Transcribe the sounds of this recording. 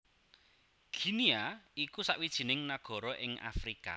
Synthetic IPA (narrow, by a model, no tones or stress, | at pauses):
ɡ̥i̤niaikusaʔwid̥ʒ̥i̤nɪŋnaɡ̥ɔ̤ɾɔʔɪŋʔa̰fɾika̰